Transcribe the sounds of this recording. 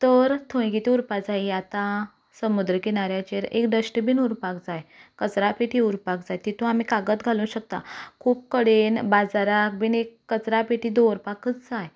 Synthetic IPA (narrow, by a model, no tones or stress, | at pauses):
t̪əɾt̪ʰə̃ɡit̪iuɾpad͡zaiat̪ã | səmud̪ɾəkinaɾjat͡ɕeɾḛkɖəɕʈəbiːnuɾpakd͡zajkət͡sɾapeʈʰiuɾpakd͡zajt̪it̪ʰũam̤ikaɡət̪ɡʱalũːɕək̚t̪a̰kʰuːp̚kəɽenbad͡zaɾak̚bʱinekːət͡sɾapeʈʰiːd̪oɾpakət͡sd͡zaj